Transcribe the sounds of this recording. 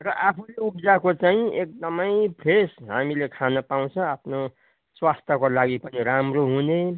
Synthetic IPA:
rʌʔapʰuleukd͡zakot͡saĩek̚d̪ʌmʌjpʰɾesɦamilekʰanʌpaw̃t͡sʰʌ̃apʰno | swast̪ʰjʌkolaɡipʌniɾamroɦune

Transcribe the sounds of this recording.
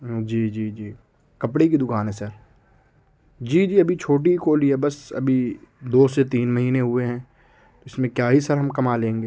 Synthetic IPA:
d͡ʒiːd͡ʒiːd͡ʒiː | kɐpɽekid̪ʊkaːnɦɛ̃sɐɾ | d͡ʒiːd͡ʒiːɐbʱit͡ʃʰoːʈ̬ikoːliɛbɐsɐ̰bʱid̪oːset̪iːnmɐɦiːneɦʊeɦɛ̃ː | t̪oɪsmẽkjaːɦisɐɾɦɐmkɐmaːlẽːŋɡeː

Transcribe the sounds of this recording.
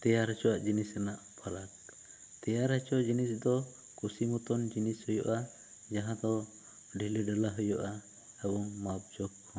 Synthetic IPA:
t̪ɛjaɾɦɛt͡ʃɔaʔd͡ʒinisɛnaʔpalak̚ | t̪ɛjaɾɦɛt͡ʃɔʔd͡ʒinisd̪ɔ | kusimut̪ɔnd͡ʒinishɔjɔ̰ʔa | d͡ʒaɦãd̪ɔ | ɖilɛɖɛlaɦɔjɔ̰ʔa | ɛbɔŋmap̚d͡ʒɔkː | ɔ

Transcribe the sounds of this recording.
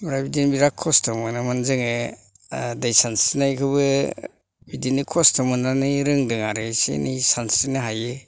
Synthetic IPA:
mɾabidinbiɾakʰːɔstɔmɯnamanzɯŋe | dajsansinajkʰɯbɯ | bidinikʰɔstɔmɯnanɯɾɯŋdɯŋaɾɯsḛnisansinɯɦaje

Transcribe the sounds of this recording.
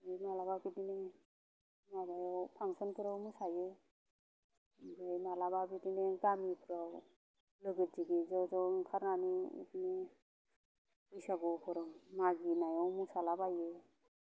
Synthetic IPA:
ajnalababidine | mabajɔwpʰaŋsɔnkʰiɾawmusaje | bajnalababidineɡamipʰɾaw | lɯɡɯt̚diɡizɔzɔŋkʰaɾnaniḭtine | pujsaɡɔpʰɔɾɯŋmaɡinajɔwmusalabaje

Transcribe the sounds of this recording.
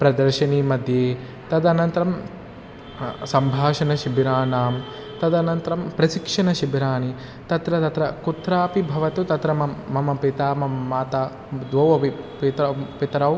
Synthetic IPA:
pɾɐd̪ɐɾʃɐniːmɐd̪ʱjeː | t̪ɐd̪ɐnɐnt̪ɐɾɐm | sɐmbʱaːʃɐnɐʃibʱɾaːnaːm | t̪ɐd̪ɐnɐnt̪ɐɾɐmpɾɐʃikʂɐnɐʃibʱɾaːni | t̪ɐt̪ɾɐt̪ɐt̪ɾɐkut̪ɾaːpibʱɐʋɐt̪ut̪ɐt̪ɾɐmɐːɐmɐpit̪aːmɐmɐmaːt̪aː | d̪ʋɐʋɐpipit̪ɾɐpit̪ɾɐw

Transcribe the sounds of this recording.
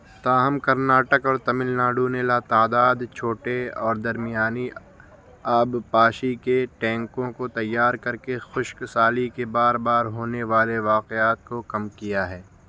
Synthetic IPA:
t̪aːɦəmkɐɾnaːʈəkɔːɾt̪ɐmɪlnaːɖunelat̪aːd̪aːd̪t͡ʃʰoːʈeɔːɾd̪ɐɾmijaːni | aːbpaːʃikeʈɛ̃ːŋkõkot̪ɐjːaːɾkɐɾkexʊʃksaːlikebaːɾbaːɾɦoːneʋaːleʋaːqeaːt̪̚kokɐmkijaɦɛː

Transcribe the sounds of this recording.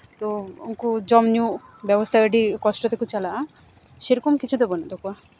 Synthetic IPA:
t̪ouŋkud͡ʒɔmnjubjɔbɔst̪ʰaəɖikɔsʈɔt̪ekut͡ʃalaʃeɾɔkomkit͡ʃʰud̪ebɔnad̪ɔkua

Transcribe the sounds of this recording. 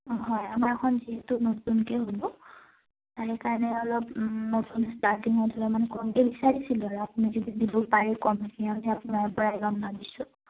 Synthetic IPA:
ɦɔjamaɹkʰɔnziɦetʊnotunkɛɦolʊ | taɹɛkaɹnɛɔlɔp̚notunstaɹtiŋɔdʱɔlɔmanɛkɔmkɛbisaɹisilaɹuapunizɔdidibɔpaɹɛkɔmaɡianɛapʊnaɹpɔɹaɛɡamnabisʊ

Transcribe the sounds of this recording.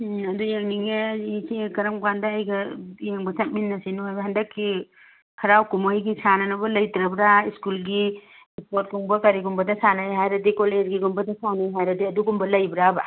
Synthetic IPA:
ɐdujeŋniŋesikɐɾɐmkandɐːjɡɐeŋbɐsɐt̚minːɐsinuɦajbɐɦɐndɐkʰːi | kʰɐɾawkumojɡisanɐnɐbɐlɐjtɾɐbɾaiskulɡi | ispot̚kuŋbɐkɐɾiɡumbɐdɐsanajɦajɾɐdikoleɾɡiɡumbɐdɐsanajɦajɾɐdiɐduɡumbɐlɐjbɾaba

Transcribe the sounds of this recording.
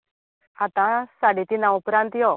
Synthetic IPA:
at̪ãsaɽit̪inãwupɾãnt̪jɔ

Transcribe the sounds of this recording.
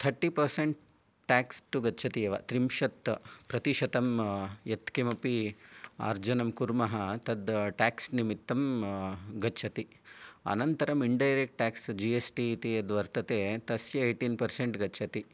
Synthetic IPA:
t̪ʰɐɾʈipɐɾseɳʈ̚ | ʈaːksʈuɡɐt͡ʃʰɐt̪ijɐʋɐ̰t̪ɾimʃɐt̪pɾɐt̪iʂɐt̪ɐmjet̪kemɐpia̰ːɾd͡ʒɐnɐmkuɾmɐɦɐt̪ɐd̪ʈaːksnimit̪ːɐm | ɡɐt͡ʃʰɐt̪i | ɐ̰nɐnt̪ɐɾɐmiɳɖɐjɾek̚ʈʈaːksd͡ʒiesʈiːt̪iɐd̪ʋɐɾt̪ɐt̪eːt̪ɐsjɐeːʈinpɐɾseɳʈɡɐt͡ʃʰɐt̪i

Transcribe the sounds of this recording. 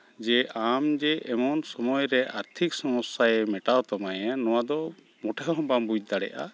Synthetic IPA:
d͡ʒɛʔamd͡ʒɛʔɛmɔnsɔmɔjɾɛʔaɾt̪ʰiksɔmɔsːajɛmɛʈawt̪amajanɔwad̪ɔ | mɔʈʰɛɦɔɔ̃bambuj̚d̪aɽɛ̰ʔa̰

